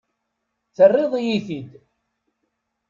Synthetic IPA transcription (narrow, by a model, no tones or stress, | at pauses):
θərˤːeðˤijiθid̪